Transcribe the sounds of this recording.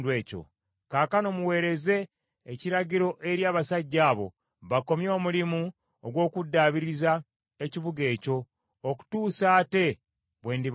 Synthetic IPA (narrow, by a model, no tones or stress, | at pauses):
dweːco̰ | kaːkano̞muwe̞ːɾe̞ze̞ː | ciɾaɟiɾo̞ʔe̞ɾjaːβasaɟːaːβo̞̰ | βako̞mjo̞ːmulimu | oɡwo̞ːkudːaːβiɾiza | e̞ciβuɡe̞ːco̞ː | ku̥tuːsaːte̞ | βwe̞ːndi